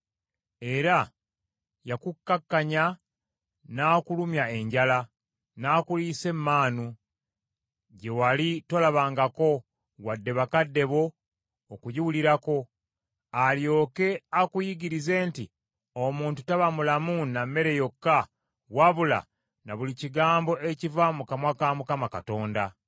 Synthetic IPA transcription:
e̞ɾa | jakukːakːaɲa | naːkulumjae̞ɲɟala | naːkulise̞mːaːnu | ɟe̞walitolaβaːŋɡako̞ | wadːe̞βakadːe̞βo̞ː | kujiwuliɾako̞ | aljo̞ːke̞akujiɡiɾize̞ːnti | omuːntutaβamulamunamːe̞ɾe̞jo̞kːa | waβula̰ | naβuliciɡaːmbo̞ʔecivamukamwakamukamakato̞ːnda

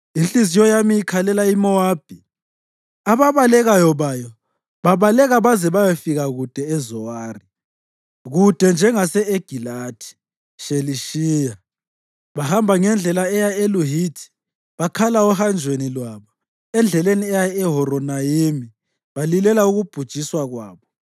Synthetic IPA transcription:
int͡ɬʼizijɔjamijikʰalɛlaimɔaːb̥ʱi | aβaβalɛɣajɔβajɔ | βaβalɛɣaβazɛβajɔfiɣaɣud̥ʱɛːzɔwaːri | ɣud̥ʱɛnd͡ʒʱɛŋasɛeɡ̥ʱilaːtʰi̥ | ʃeliʃiːja | βahambʱaŋɛnd͡ɮʱɛlaɛjaeluɦitʰi̥ | βakʰalaɔhand͡ʒʱwenilwaːβɔ | ɛnd͡ɮʱɛleniɛjaɛɦɔɾɔnajimi | βalilɛlauɣub̥ʱud̥ʒ̥ʱiswaɣwaːβɔ

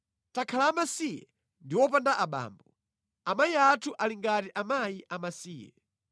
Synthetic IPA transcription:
takʰalaːmasijɛ̰ | ndiwɔpandaʔaɓa̰ːmbɔ | amajiatʰuʔaliŋɡatiʔamajiʔamasiːjɛ̰

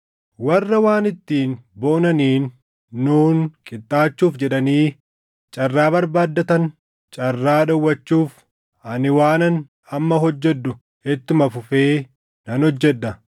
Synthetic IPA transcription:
wɐrːɐwaːnɪt̪ːiːnbo̞ːnɐniːnː | uːnkʼɪt̪ʼːaːt͡ʃːuːfd͡ʒɛᶑɐniː | t͡ʃʼɐrːaːbɐɾbaːd̪ːɐt̪ɐn | t͡ʃʼɐrːaːᶑɐwːɐt͡ʃːuːf | ɐnɪwaːnɐn | ɐmːɐɦɔd͡ʒːɛd̪ːʊ | ɛt̪ːʊmɐfʊfe̞ː | nɐnhɔd͡ʒːɛᶑ̪ːɐ

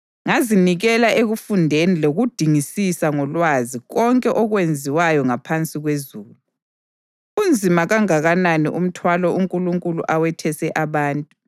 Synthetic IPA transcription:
ŋaziniɣɛlaʔeɣufundʱeniloɣud̥ʱiŋisisaŋɔlwaziɣɔŋkʼɛʔɔɣwend͡zʱiwajɔŋapʰant͡sʼiɣwezuːlu | und͡zʱimaɣaŋaɣananiʔum̩tʰwalɔʔuŋkʼuluŋkʼulṵʔawɛtʰɛsɛʔaβaːntʼu

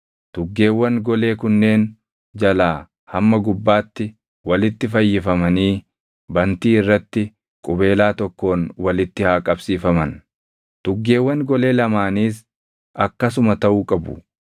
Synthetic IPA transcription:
t̪ʊɡːe̞ːwːɐŋɡɔle̞ːkʊnːe̞ːn | d͡ʒɐlaː | hɐmːɐɡʊbːaːt̪ːɪ | wɐlɪt̪ːɪfɐjːɪfɐmɐniː | bɐnt̪iːɪrːɐt̪ːɪ | kʼʊbe̞ːlaːt̪ɔkːo̞ːnwɐlɪt̪ːɪhaːkʼɐbsiːfɐmɐn | t̪ʊɡːe̞ːwːɐŋɡɔle̞ːlɐmaːniːs | ɐkːɐsʊmɐt̪ɐʔuːkʼɐbʊ̰

